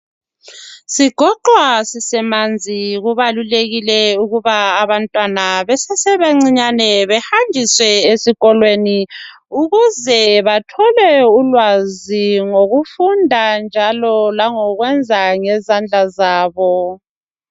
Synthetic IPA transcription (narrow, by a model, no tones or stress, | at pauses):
siɡ̥ʱɔǃwasisɛmand͡zʱiɣuβaluleɣilɛuɣuβaːβantʼwanaβɛsɛsɛβeŋ͡ǀiɲanɛβɛhandʱiswɛesiɣɔlweni | uɣuzɛβatʰɔlɛulwaziŋoɣufundʱand͡ʒʱalɔlaŋɔɣwɛnd͡zʱaŋɛzand͡ɮʱazaːβɔ